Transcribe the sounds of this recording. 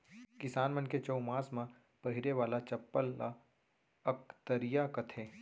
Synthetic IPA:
kɪsaːnmɐnket͡ʃɐumaːsmã | pɐɦɪɾeʋaːlat͡ʃɐpːəlːa | ɐk̚t̪əɾijakɐt̪ʰeː

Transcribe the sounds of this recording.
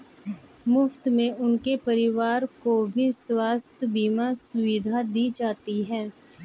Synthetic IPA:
mʊft̪mẽʊnkepɐɾɪʋaːɾkobʱiswaːst̪ʰəbiːmãsʊʋɪd̪ʱad̪iːd͡ʒaːt̪iɦɛ̃ː

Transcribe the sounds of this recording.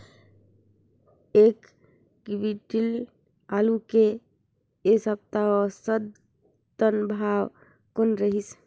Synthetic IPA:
ek | kbiʈil | aluke | esəb̚t̪aɔsəd̪ | t̪ənbʱaw | konɾəɦis

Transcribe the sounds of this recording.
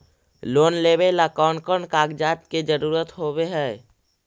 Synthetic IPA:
loːnleːbelakaːnkəɳkaːɡd͡ʒaːt̪ked͡ʒəɾuːɾət̪ɦobeɦɛː

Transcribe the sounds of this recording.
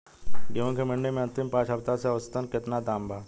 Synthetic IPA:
ɡiõkemɪ̃ɳɖemẽɐ̃nt̪ɪmpãːt͡ʃɦɐbt̪aseɐʋəst̪ənkɪt̪nad̪aːmbʱaː

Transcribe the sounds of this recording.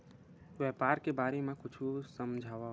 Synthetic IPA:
ʋɛːpaːɾkebaːɾemẽkʊt͡ʃʰusəmd͡ʒʱaːʋa

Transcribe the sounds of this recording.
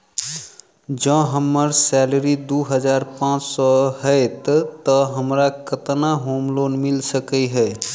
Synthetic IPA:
d͡ʒə̃ɦəmːəɾsɛləɾid̪uɦəd͡ʒaɾpãt͡ʃsɔɦəɪt̪t̪əɦəmɾakət̪naɦomlonmilsəkəɦə

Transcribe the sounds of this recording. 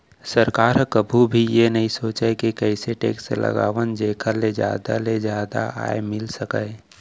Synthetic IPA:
səɾkaːɾkəbʱubʱijenɐɦĩsoːt͡ʃɛkikɛɪseʈḛːkselʔə̰ɡa̰ːʋənd͡ʒeːkʰaled͡ʒja̰ːd̪aled͡ʒjaːd̪a̰a̰emɪlsəka

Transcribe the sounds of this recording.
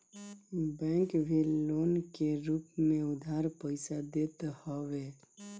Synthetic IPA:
bɛ̃ŋkbʱiloːnkeɾuːpmẽʊd̪ʱaɾpəɪsad̪et̪hɔʋe

